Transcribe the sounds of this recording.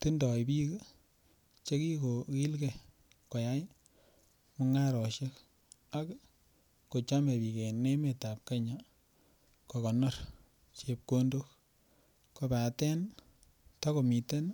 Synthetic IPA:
tu˦ndɔ˨jpi˦k | t͡ʃe˦ki˦ko˨ki˦lke˨ | ko˨ja˦j | mo˧ŋa˦ɾɔ˨ʃe˦k | a˦kː | o˨t͡ʃa˦me˨pi˨ke˨ne˦me˨ta˨p̚ka˦ɲa˨ | ko˨kɔ˨nɔ˦ɾ | t͡ʃe˧p̚ko˦ndo˦k | ko˧pa˨tɛ˦n | ta˦ko˨mi˨te˦n

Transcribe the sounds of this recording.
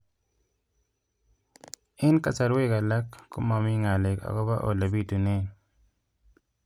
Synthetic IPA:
ɪ˦nka˨t͡ʃa˨ɾwe˦ka˨la˦kːʊ̰˦ma˨mɪ˦ŋa˨lɪ˨ka̰˨kɔ˦ba˦ʔo̰˨la˨bi˦tu˨ne˦

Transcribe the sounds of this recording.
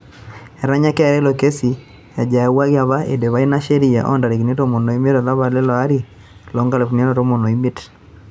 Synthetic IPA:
ɛ˨ɾa˦ɲa˦kɛ˦˨ɾɛ˦lo˨ke˦si˨ | ja˨d͡ʒa˨wa˦ɣja˨βa˦ʔḛ˨de˨βa˦i˦na˦ʃe˦ɾi˨a˨ʔɔ̰˦nda˨ɾe˨ki˨ne˦to˦mo˨no˨i˦me˦ta˨ða˦βa˨le˦lɔ˨a˦ɾi˦˨ | lɔ˨˦ŋɡa˦le˨fu˨ne˦nɔ˦to˦mo˨nɔ˨i˦me˦t

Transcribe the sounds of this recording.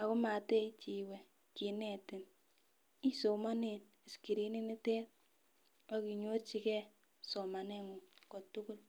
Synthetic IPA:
a˨kʊ˦ma˨te˦i˦t͡ʃi˨we˨ | ki˨ne˨tɪ˨n | i˦so˨ma˦ne˨n | ɪ˨ski˨ɾi˦ni˦ni˦tɛ˦t̚ | a˦ki˨ɲo˦tt͡ʃi˧kɛ˦ | so˨ma˨ne˦ŋu˨ko˨tʊ˦kʊ˦l

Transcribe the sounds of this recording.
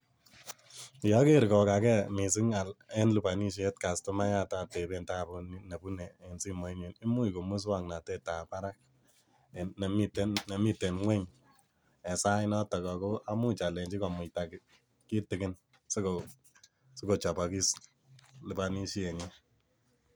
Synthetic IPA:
jɔ˦ke˦ɾkɔ˨ka˨kɛ˦mi˨sɪ˦ŋa˨le˦nlu˨pa˨ni˦ʃ̬e˦t̚ka˨sto˦ma˦ja˦ta˦te˨be˨nta˦pu˦ni˦ne˨bu˦nɛː˨nsi˦mo˨˦ɲi˨ni˦mu˦i˨ko˨mu˦s̬wa˦ŋna˨te˦ta˨pa˦ɾa˦k̚ | ne˨mi˦te˦nne˨mi˦tːe˨nŋwɛ˦ɲ | ɛ˨sa˦ɪ˦nɔ˦ta˨kɔ˨ko˦a˦mu˦t͡ʃa˨le˨ɲt͡ʃi˦kɔ˨mʊ˨ta˨k | ki˦tɪ˨kɪ˦n | se˦ko | so˦ko˨t͡ʃɔ˨pɔ˨ki˦s | lu˨pa˨ni˦ʃi˦e˨ɲe˦

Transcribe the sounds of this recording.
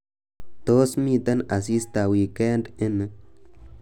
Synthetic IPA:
t̪o˦smĩ˧t̪a˦na˨si˦st̪a˨wi˨ke˦nde˦nɨ˧

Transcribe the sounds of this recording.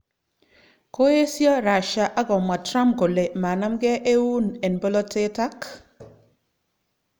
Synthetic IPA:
ko˦e˦sjɔ˦ɾa˨ʃa˨ʔa˦ɡɔ˨ma˨tɾa˦mɡo˨le˨ma˨na˦mɡɛ˦ʔe˦wu˦ne˨nbo˦lɔ˦tʰe˦ta˦k

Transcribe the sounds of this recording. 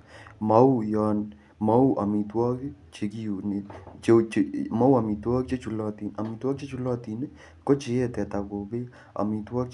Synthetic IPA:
ma˨˦u˦jɔ˧n | ma˦u˦ʔa˨mi˨twɔ˦kt͡ʃe˨˧ki˦u˨ne˨t͡ʃe˧ma˦u˦a˨mi˨twɔ˦k̚t͡ʃe˦t͡ʃu˨lɔ˧˨ti˨na˨mi˨twɔ˦k̚t͡ʃe˦t͡ʃu˧˦lɔ˦ti˨ne˦ | ko˦t͡ʃe˨˦ɛ˦tɛ˨ta˨ko˨be˦ | a̰˨mi˨twɔ˦k

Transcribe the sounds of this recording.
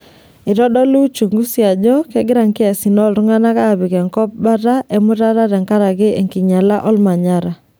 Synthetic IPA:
ɪ˨ɾɔ˦ɗɔ˦lu˦t͡ʃu˨ŋɡu˦sja˨ɲɔ˦kɛ˦ɡɪ˦ɾa˨ŋkɪ˦a˨si˨nɔ˦˨lɾʊ˦ŋa˦na˦ka˦˨βɪ˨kɛ˨ŋkɔ˦p̚ba˦ta˦ʔe˨mʊ˦ta˦ɾa˦ɾɛ˨ŋka˦ɾa˨kɪ˦e˨ŋki˨ɲa˨la˦ʔɔ˦lma˨ɲa˦ɾa˨

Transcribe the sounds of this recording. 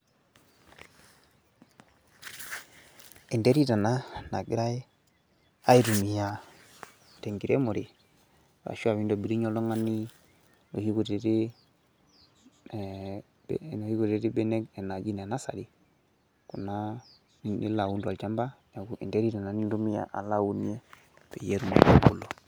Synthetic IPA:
i˨ndɛ˦ɾi˦ta˨na˦na̰˨ɡi˦ɾa˦e˦ | a˦i˦ɾu˨mi˨ja˨˦ | tɛ˨ŋɡi˨ɾɛ˦mo˨ɾi˨ | wa̰˨ʃu˦a˨βi˦ndɔ˨bi˨ɾi˦ɲɔ˦lɔ˦ŋa˦ni˦ | no̰˨hi˦ku˨tɛ˨ɾe˦ | bnɔ˨hi˦ku˨ɾɛ˨ɾi˦bɛ˦nɛ˦ɡɛ˨na˨d͡ʒi˦n˨a˨na˦sa̰˨ɾi˦ | ku˨na˦ | ni˦nḭ˦la˨u˦nda˨ld͡ʒa˦mba˦na˨ku˦ʔḭ˨ndɛ˦ɾi˦ta˨na˨ni˦nɾu˦mi˦a̰˨ʔa̰˨la˦wu˦ni˦ɛ˦ | pɛ˨jɛ˦ɾu˨ma̰˨kṵ˦kṵ˨lɔ˨

